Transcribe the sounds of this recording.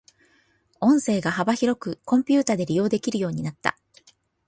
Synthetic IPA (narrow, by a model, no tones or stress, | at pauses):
õ̞ɰ̃se̞ːɡaɦabaçiɾo̞kɯ̟kõ̞mpʲɨːt̪aːd̪e̞ɾʲijo̞ːd̪e̞kʲiɾɯ̟jo̞ːɲ̟inat̪ːa̰